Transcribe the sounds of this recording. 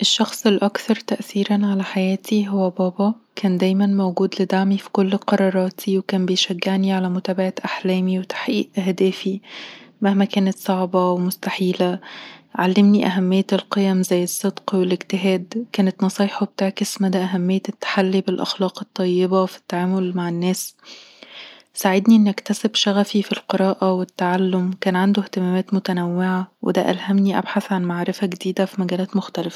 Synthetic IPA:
ʔeʃːɑxsˤelʔɑkθɑɾˤt̪æʔθiːɾænʕalæħajæːt̪ʰiɦowːæbɑːbɑkʰæːnd̪æːjmænmowɡuːd̪led̪aʕmifi̥kolːqɑɾˤɑːɾˤɑːt̪ʰiwekæːnbejʃæɡːeʕniʕalæmʊt̪æːbaʕaʔaħlæːmiwet̪ḁħʔiːʔʔæhd̪æːfimahmækæːnæt̪sˤɑʕbɑwemʊst̪aħiːlæʕalːemniʔæɦæmːɪjːælqejæmzæjːesˤːɨd̪qwelɪkt̪ɪɦæːd̪kæːnet̪nɑsˤijːħobet̪aːʕkesmæd̪æʔæɦæmːejːæt̪ːḁħalːibelʔɑ̰xlɑːqet̪ˤːɑjːebæfi̥t̪ːaʕaːmolmaʕenːæːs | saʕed̪niʔenːʔækt̪æsebʃæɣæfifilqeɾˤɑːʔæwet̪ːaʕalːomkæːnʕand̪oht̪emæːmæːt̪mot̪ænæwːeʕawʔḛd̪æ̰ʔælhæmniʔa̰bħaθʕanmaʕɾefæɡed̪iːd̪æfimæɡæːlæːt̪moxt̪ælefæ̥

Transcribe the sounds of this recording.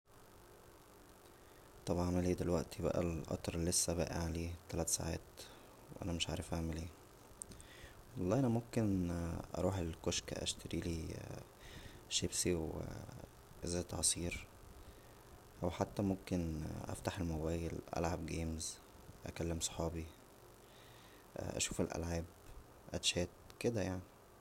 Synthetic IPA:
t̪ˤɑbʕɑmæleːd̪elwæʔt̪ʰibæ̰ʔæ̰lʔɑ̰t̪ˤɑɾˤlːesːæbæ̰ːʔæ̰ʕaleːt̪ælæːt̪sa̰ʕa̰ːt̪ | weʔæ̰næmeʃʕa̰ːɾˤefʔaʕmæliː | wɑlːˤɑːʔænæmomkenʔɑ̰ɾˤuːħelkoʃkæ̰ʔæ̰ʃt̪ʰæɾiːliː | ʃebsiw̰ | zæːt̪ʕɑsˤiːɾ | ʔæwħat̪ːæmomkenʔæ̰ft̪aħelmobæːjelʔæ̰lʕabɡeːmz | ʔæ̰kælːemsˤo̥ħɑːbi | ʔæ̰ʃuːfelʔæ̰lʕab | ʔæ̰t̪ʃæːt̪̚ked̪æjaʕni

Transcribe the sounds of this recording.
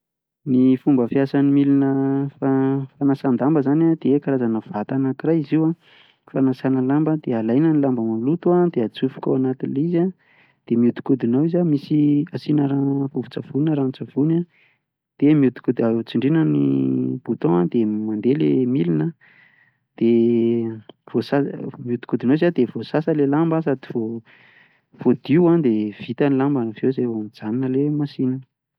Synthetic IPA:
nifumbəfiasanimilinəfafanasand̪ambəzanad̪̥eekaɾazanəv̥at̪anakiɾajiziwa | fanasanəlambəd̪ealajnənilambəmalut̪uad̪eat͡sufu̥kawanat̪inliza | d̪̥emiut̪u̥kud̪inawizamisiasinəɾavuvu̥t͡sav̥unəɾanit͡sav̥una | d̪̥emiud̪u̥kud̪at͡siɳɖ͡ʐinənib̥ut̪õad̪emand̪elemilinə | d̪̥e | v̥osamiud̪u̥kud̪inowizad̪ev̥osasəlelambəsad̪ivo | v̥od̪iwad̪ev̥it̪anilambanv̥ewzewamid͡zaninəlemasinə

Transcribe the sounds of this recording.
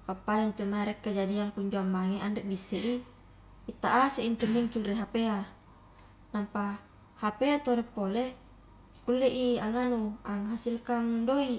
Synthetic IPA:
kapːalant̪umaeɾekːad͡ʒadiaŋkuɲd͡ʒoambaŋeʔandɛʔ̚bisːeʔi | it̪ːaʔaseint̪unːiŋt͡ʃulriɦapea | nampa | hapeat̪oɾepːole | kulːeʔiaŋanuaŋɦasilkaŋdoi

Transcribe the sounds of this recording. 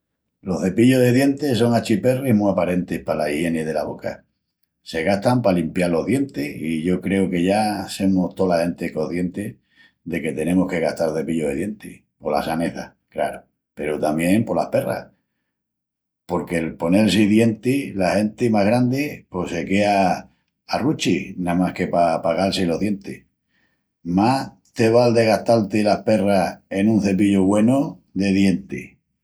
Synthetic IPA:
lo̞θðe̞piʎo̞ɦðe̞ðje̞nt̪es̬o̞ŋat͡ʃipe̞rihmuapaɾe̞nt̪ehpalaihje̞neðe̞laβo̞̰ka̰ | se̞ɣaht̪ampalimpjalo̞ɦðje̞nt̪eiʝo̞kɾe̞oke̞ʝase̞most̪olahe̞nt̪eko̞θje̞nt̪e | ðe̞ke̞t̪e̞nẽ̞mohke̞ɣaht̪aɾloθe̞piʎoðeðje̞nt̪i | po̞la̰sane̞θa̰ | kla̰ɾo | pe̞ɾot̪amjẽ̞mpo̞la̰hpe̞ra̰ | po̞ɾke̞lpo̞ne̞lsiðje̞nt̪ilahe̞nt̪imaɦɣɾand̪ipo̞se̞ke̞aː | rut͡ʃinamahke̞papaɣalsilo̞ðje̞nt̪i | mah | t̪e̞β̞ald̪e̞ɣaht̪alt̪ilahpe̞rae̞nũn̟θe̞p̬iʎoɣwe̞noðe̞ðje̞nt̪i

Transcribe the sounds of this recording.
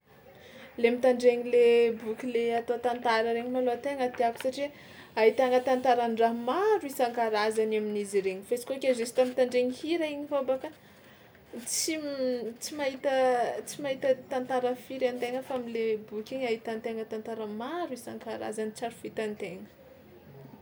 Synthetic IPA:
lemit̪aɳɖ͡ʐeɲilebukʲileat̪ot̪ant̪aɾəɾeɲimaloat̪eŋət̪eaku̥saʈ͡ʂi | aɦit̪aŋət̪ant̪aɾaɳɖ͡ʐamaɾuisaŋkaɾazanaminiziɾeɲifesi̥kokʲezesi̥t̪amit̪aɳɖ͡ʐeɲihiɾaiɲifabakə | t͡sit͡simaɦit̪ət͡simaɦit̪ət̪ant̪aɾəfiɾant̪eŋəfaamilebukʲiɲaɦit̪ant̪eŋət̪ant̪aɾəmaɾuisaŋkaɾa̰zanit͡saɾu̥fit̪ant̪eŋə̥

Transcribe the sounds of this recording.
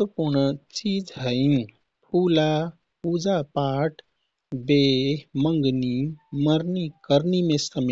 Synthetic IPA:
t̪əpuɾɳət͡ʃiːd͡ʒɦəĩ | pʰuːla | ud͡ʒapaːʈʰ | beməŋɡniməɾnikəɾnimẽsəm

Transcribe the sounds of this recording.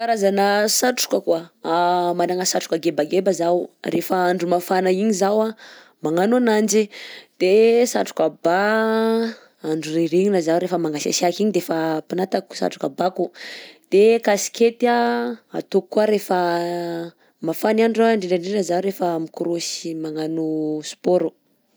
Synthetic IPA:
kaɾazanasaʈ͡ʂu̥kəkwa | manaŋasaʈ͡ʂu̥kaɡebaɡebazawrefaaɳɖ͡ʐumafanaiɲizawa | maŋanuanand͡ʒid̪̥esaʈ͡ʂu̥kaba | aɳɖ͡ʐureɾiɲinazawɾefəmaŋɡasa̰siakiɲid̪efapinat̪aku̥sa̰ʈ͡ʂu̥kabakud̪̥ekasi̥ket̪iaa̰t̪ukkːuaɾefa | mafanaɳɖ͡ʐaɳɖ͡ʐeɖ͡ʐaɳɖ͡ʐenəzaɾefamikuɾosimaŋanusu̥poɾu

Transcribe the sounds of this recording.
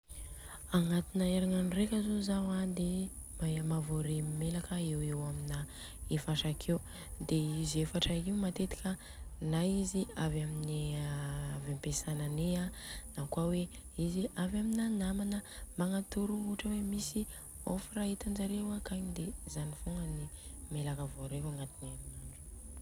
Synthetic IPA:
aŋat̪inəeɾaŋanrekʲəzozawad̪emamavoɾeimelakəewewamina | efaʃakʰew | d̪eizefaʈ͡ʂəiumat̪et̪i̥kʲə | naiziavamini | avampesananeanakwaweiziavaminanamanəmaŋat̪uɾuuʈ͡ʂəwemisi | o̰firaɦit̪and͡ʒaɾewakaɲid̪ezanifuŋɡənimelakəvoɾeaŋat̪inaminaɳɖ͡ʐu̥

